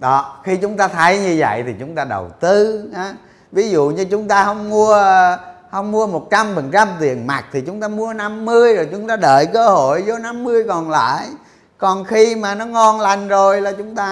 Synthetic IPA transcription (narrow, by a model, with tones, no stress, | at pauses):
ɗɔ˨˦xi˧t͡ɕʊ˨˦ŋ͡mt̪aː˧t̪ʰə˨˦jɲɨ˧və̰˧˨jt̪ʰi˨˩t͡ɕʊ˨˦ŋ͡mt̪aː˧ɗə̰˨˩wt̪ɨ˧haː˨˦ | vi˨˦zṵ˧˨ɲɨ˧t͡ɕʊ˨˦ŋ͡mt̪aː˧hə˧wŋ͡mmu˧ə | hə˧wŋ͡mːu˧əmo˨˩t̚t͡ɕa˧mfə˨˩nt͡ɕa˧mt̪ḭ˨ənma˨˩k̚t̪ʰi˨˩t͡ɕʊ˨˦ŋ͡mt̪aː˧mu˧əna˧mːɨ˧əjzo˨˩jt͡ɕʊ˨˦ŋ͡mt̪aː˧ɗə̰ː˧˨jkəː˧ho˧˨jzo˨˦na˧mːɨ˧əjkɔ˨˩nla̰ː˧˨j | kɔ˨˩nxi˧maː˨˩nɔ˨˦ŋɔ˧nla˨˩jŋ̟zo˨˩jlaː˨˩t͡ɕʊ˨˦ŋ͡mt̪aː˧